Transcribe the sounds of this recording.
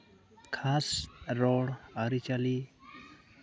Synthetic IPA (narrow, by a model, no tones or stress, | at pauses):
kʰasɾɔɽaɾit͡ʃali